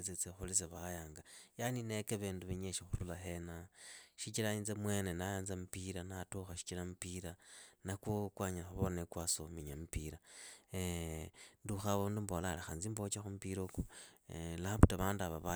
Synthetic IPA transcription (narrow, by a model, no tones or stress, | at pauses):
t͡set͡sexulit͡seβajaːŋɡajaninekeβeːnduβeɲeʃixuɾulaxenaʃit͡ʃilainzemwe̞nenajanzamupiɾanatoxaʃi̥t͡ʃilamupiɾanakokwaɲalaxuβonekwasomiɲamupiɾae | nduxaβondumbolalaxanzimbot͡ʃaxumupiɾoku | laaputaβaːndaβaβa